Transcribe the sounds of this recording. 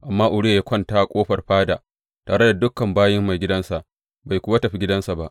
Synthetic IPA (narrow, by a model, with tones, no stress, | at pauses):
ʔa˨mːaː˦ʔʊ˨ɽi˦˨ja˦kʷɐ˦ntaː˦˨kʷʼoː˦ɸɐ˨rɸaː˦daː˨ | taː˨ɾɽe˦da˨dʊ˦kːɐ˨mbaː˦jɪ˦mːa˨jɡʲɪ˦dɐ˦nsa˨ʔ | ba˨jkʷʊ˦wa˦tɐ˨ɸi˦ɡʲɪ˦dɐ˦nsa˨ba˦ʔ